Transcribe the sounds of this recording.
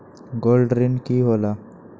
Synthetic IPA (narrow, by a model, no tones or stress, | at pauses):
ɡoːlɖɾɪnkiɦoːlaː